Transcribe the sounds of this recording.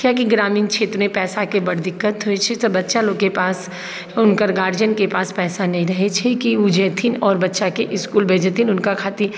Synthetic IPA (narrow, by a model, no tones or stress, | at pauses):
kjaːkiɡɾaːmiːnkʃʰeːt̪ɾomẽpɛːsakebɐɽd̪ɪkːət̪ɦʊet͡ʃʰɛt̪ɔbɐtːʃaloːɡkepaːs | ʊnkəɾɡaːɾd͡ʒənkepaːspɛːsanɐɦĩɾɐɦet͡ʃʰɛkiʊd͡ʒɛːt̪ʰɪnɔːɾbɐtːʃakeʔɪskuːlbʱeːd͡ʒət̪ʰinʊnkakʰaːt̪i